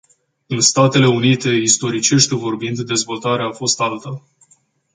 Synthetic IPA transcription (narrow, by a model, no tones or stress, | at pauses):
ɨnst̪at̪e̞le̞unit̪e̞ist̪o̞ɾit͡ʃe̞ʃt̪ʲvo̞rbind̪d̪e̞zvo̞lt̪aɾeafo̞st̪alt̪ə